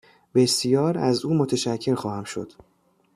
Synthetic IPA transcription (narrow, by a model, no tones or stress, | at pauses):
b̥e̞sjɒːɾæzuːmot̪ʰeʃæcʰːe̞ɾxɒːhæmʃo̞̰d̪̥